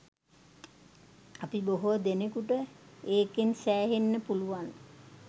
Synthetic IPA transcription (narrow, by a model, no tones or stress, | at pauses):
apiboɦod̪enekuʈəeːkensæːɦenːəpuluʋan